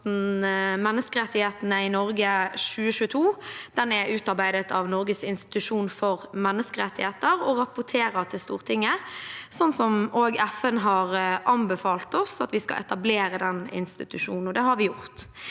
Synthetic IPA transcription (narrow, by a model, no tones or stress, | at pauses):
nmɛnːəskəɾɛt̪ːɪheːt̪nəɪnɔɾɡəʃʉːəɕʉːət̪ʰuːd̪̥ɛnɛʉːt̪ɑʁbæɪd̪ət̪ʰɑʋnɔɾɡəsɪnst̪ɪ̥t̪ʉʂuːnfɔʁmɛnːəskəɾɛt̪ːɪheːt̪əɾɔɾɑpʊt̪ʰeːɾəʁt̪ʰɪlst̪ṵːʁt̪ʰɪŋːəsɔnːsɔmoːɡɛfənɦɑɾʔɑnbəfɑːlt̪ɔsɑt̪ʋɪskɑ̰ʔɛ̰t̪ɑbleːɾəd̪ɛnɪ̰nst̪ɪt̪ʉʂṵːnn̩ɔd̪ɛhɑɾʋɪjʊʁt̪